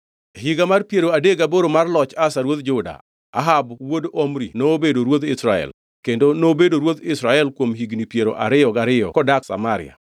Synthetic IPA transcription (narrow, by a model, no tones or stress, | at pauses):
ɦiɡamarpjeɾoadeɡaboɾomarlɔt͡ʃasaɾwot̪̚d͡ʒʊda̰ | a̰ɦabwodomɾinoːbedoɾwot̪ɪsɾaɛ̰l | kendonobedoɾwot̪ɪsɾaɛlkwomɦiɡnipjeɾo̰ʔa̰ɾɪɔɡaɾɪɔ̰kɔdaksa̰maɾɪ̰a̰